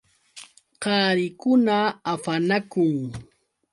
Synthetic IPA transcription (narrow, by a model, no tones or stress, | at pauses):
qɑːɾɪkʊnaːpanakʊŋ